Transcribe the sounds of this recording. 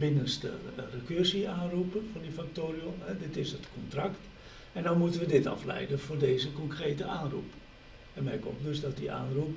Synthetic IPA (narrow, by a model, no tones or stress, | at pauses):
bɪnənstə̰rəkørsiaːnrupənfɔndifak̚toːrjomɛdɪtɪsətkʰɔntrakt | ɛndɔnmutənʋədɪtɑ̰flɛ̰jdəfoːrdeːzəkɔŋkreːtəʔaːnrṵp | ɛnmɛrko̰mtdøsdɔt̚dḭʔa̰ːnrup